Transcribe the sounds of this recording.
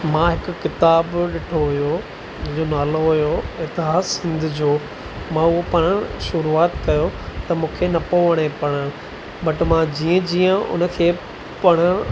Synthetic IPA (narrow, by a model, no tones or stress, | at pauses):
mãɦɪkʊkɪt̪aːbɗɪʈʰoɦʊjo | d͡ʑ̃d͡ʑonaːloɦʊjoɪt̪ɪɦaːssɪ̃nd̪ʱʊd͡ʑoː | mãʊɦopɐɽ̃ʃʊɾuaːt̪kɐjot̪ɐmũːkʰenɐpoʋəɽ̃epɐɽ̃ə | bɐʈmãd͡ʑiːə̃d͡ʑiːə̃ʊ̰nə̆kʰeː | pɐɽ̃ə